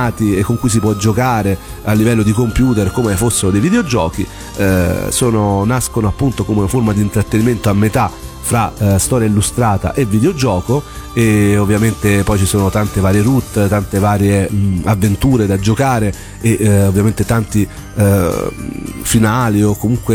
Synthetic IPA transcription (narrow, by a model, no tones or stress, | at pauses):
aːt̪iekːoŋkujs̬ipwɔd͡ʒokaːɾe | alːivɛlːod̪ikompjuːt̪erkomefosːeɾod̪ejvid̪eod͡ʒɔ̰ːkḭ | soːnonaskonoapːunt̪okomeunaformad̪iːnt̪ɾat̪ːeniment̪oamːet̪a | fɾast̪ɔːɾjailːust̪ɾaːt̪a̰ʔevːid̪eod͡ʒɔːko | eovːjament̪epɔjt͡ʃisoːnot̪ant̪evaːɾjeɾut̪ːt̪ant̪evaːɾjeavːent̪uːɾed̪ad͡ʒokaːɾe | eovːjament̪et̪ant̪i | finaːliokːomuŋkwe